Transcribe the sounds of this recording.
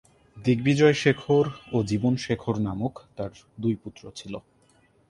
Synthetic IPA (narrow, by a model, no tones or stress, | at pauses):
d̪iɡ̚bid͡ʑɔeʃekʰoɾod͡ʑibonʃekʰoɾnamokt̪aɾ | d̪ujput̪ːɾot͡ɕʰilo